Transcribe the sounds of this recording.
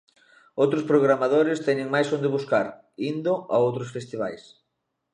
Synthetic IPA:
owt̪ɾʊspɾoɣɾamaðoɾɪst̪ɛɲɪŋmajsõnd̪ɪβuskaɾ | ind̪oa̰owt̪ɾosfest̪iβajs

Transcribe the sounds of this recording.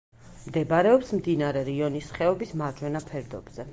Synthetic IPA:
md̪ɛbaɾɛɔpsmd̪inaɾɛɾiɔnisχɛɔbismaɾd͡ʒwɛnapʰɛɾd̪ɔbz̥ɛ

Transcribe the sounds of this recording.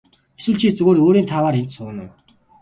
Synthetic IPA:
eswŭːɮt͡ɕʰiːt͡sɵɣoːɾoːɾiːnt̪ʰawaːɾent̪sʊːnʊ̰w

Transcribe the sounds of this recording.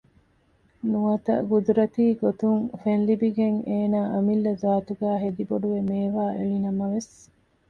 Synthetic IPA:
nuɐt̪ɐ̰ɡud̪uɾɐt̪iːɡot̪uŋfenlibiɡeŋeːnaːʔɐmilːɐzaːt̪uɡæːɦed̪iboɖuʋemeːʋaːʔeɭinɐmɐʋes

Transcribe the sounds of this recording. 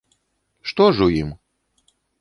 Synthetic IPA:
ʂt̪ɔʐujim

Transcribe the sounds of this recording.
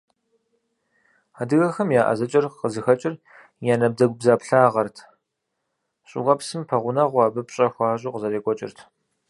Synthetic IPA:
aːdɨɣɐxɐmjaːʔɐ̰zɐt͡ʃʼɐrqəzɨxɐt͡ʃʼɪr | jaːnɐb̚dɐɡʷbzaːpɬaːʁɐrtʰ | ɕʼɪ̰ʁɐpsɨmpʰɐʁʷʊnɐʁʷɑːbɐpɕʼɐxʷɑːʑʼuːqəzɐɾeːkʷʼɔt͡ʃʼɪ̰rtʰ

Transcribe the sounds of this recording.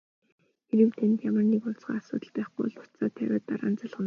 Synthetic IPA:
xeɾɘ̆wt̪ʰent̪jamə̆rnikʊɮt͡sɢ̥a̰ːasʊ̰ːt̪ə̆ɮpæːχʊ̰jɮʊ̥t͡saːt̪ʰæwʲaːt̪ːaɾa̰ːnt͡saɮʁə̆n

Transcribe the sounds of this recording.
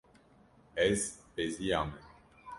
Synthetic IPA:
ɛzpeziam

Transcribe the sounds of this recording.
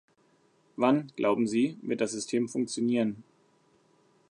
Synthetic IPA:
vanɡ̥lʔa̰ʊbm̩ziːvɪɐt̚d̥as̬z̥ʏstʰeːmfʊŋk̚t͡sjoniːʁən

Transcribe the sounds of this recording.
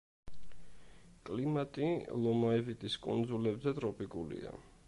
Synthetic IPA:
kʼlimat̪ʼilˠɔmaɛvit̪ʼiskʼṵnd̪zulɛbzɛt̪ʼɾɔpʼikʼulḭa̰

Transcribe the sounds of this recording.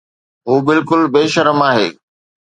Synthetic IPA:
ɦuːbɪlkʊlbeːʃɐɾəmaːɦḛː

